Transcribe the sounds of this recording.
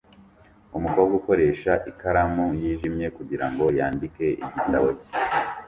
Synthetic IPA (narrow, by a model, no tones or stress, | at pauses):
umukowoɡuko̞ɾe̞ːʃaʔikaɾamujiːʒimɲe̞kuɟiɾaŋɡo̞jaːndike̞ʔiɟitaβoce̥